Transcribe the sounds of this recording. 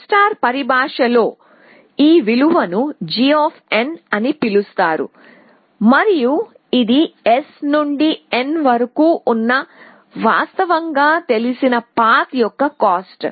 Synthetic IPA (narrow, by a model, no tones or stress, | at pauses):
sʈaːɾpɐɾibʱaːʂɐlo̞ː | iːʋiluʋɐnud͡ʒioːpʰe̞nɐnipilust̪aːɾṵ | mɐɾiju | id̪ie̞snuɳɖienʋɐɾɐkuːʔunːɐ | ʋaːst̪ɐʋɐŋɡaːt̪e̞lisinɐpaːt̪jɔkːɐkaːsʈ